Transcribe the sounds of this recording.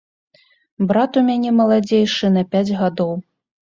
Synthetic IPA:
bɾat̪umʲanʲɛmɐlˠad͡zʲejʂɨnɐpʲad͡zʲɣad̪ɔw

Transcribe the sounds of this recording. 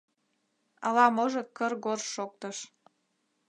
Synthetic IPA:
ɑlɑmoʒɤ̆kə̆rɣorʃok̚t̪əʃ

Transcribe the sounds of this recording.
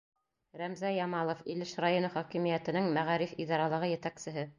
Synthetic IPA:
ɾæmzæjɑmɑlˠŏfilɘʃrajonɤχɒkimijæt̪ɘ̆nɘŋmæʁɑɾifid̪ɑɾɑlˠɤ̆ʁɤjɘ̆t̪æksɘ̆ɦɘ

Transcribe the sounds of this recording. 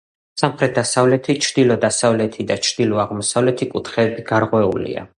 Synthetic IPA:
samχɾɛt̪̚d̪asavlɛt̪ʰit͡ʃʰɾd̪̥ilɔd̪asavlɛt̪ʰid̪at͡ʃʰɾd̪̥ilɔaʁmɔsavlɛt̪ʰikʼut̪ʰχɛːbiɡ̥aɾqʼwɛṵlḭa̰

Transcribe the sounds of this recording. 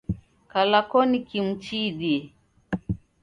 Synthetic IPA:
kalakɔnikim̩t͡ʃiɗiɛ

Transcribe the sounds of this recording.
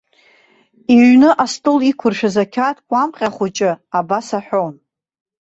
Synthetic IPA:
iɥnɨʔastʼɨlikʷʰʊrʃazakʲʰatʰʼkʷʼamqʲʼaχʷʊt͡ʃʼɪabasaħʷᶣown

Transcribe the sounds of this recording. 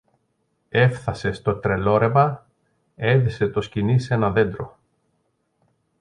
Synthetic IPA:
e̞fθɐse̞st̪o̞t̪ɾe̞lo̞ɾe̞mɐ | e̞ðise̞t̪o̞scinise̞nɐðe̞nd̪ɾo̞̰

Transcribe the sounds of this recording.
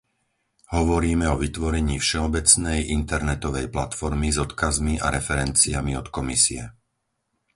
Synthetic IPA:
hɔʋɔɾiːmɛɔʋit̪ʋɔɾɛɲiːfʃɛɔbɛt͡snɛjʔint̪ɛɾnɛt̪ɔʋɛjplat̪fɔɾmizɔt̪kazmiʔa̰ɾɛfɛɾɛnt͡siamiɔt̪kɔmisiɛ

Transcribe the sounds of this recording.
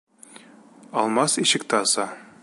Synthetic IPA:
ɒlˠmɑsiʃɘ̆k̚t̪æɑsɑ

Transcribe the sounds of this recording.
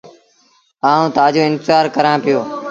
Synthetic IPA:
aːũːt̪aːd͡ʒoːɪ̃nt̪ɪzaːɾkəɾãːpɪjoː

